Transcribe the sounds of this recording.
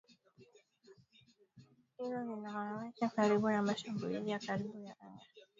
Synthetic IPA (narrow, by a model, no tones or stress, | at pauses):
hizɔzinaanawɛt͡ʃakaɾiɓunamaʃambulizijakaɾiɓujaʔaŋɡa